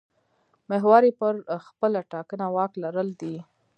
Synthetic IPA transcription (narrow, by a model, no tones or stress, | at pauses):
meɦwɑɾipəɾxpəlaʈɑkənawɑklaɾəld̪i